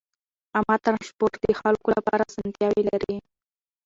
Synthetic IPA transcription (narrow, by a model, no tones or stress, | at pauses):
amɑt̪aɾʃpoɾd̪əxalkolapɑ̰ɾazant̪jɑwilaɾi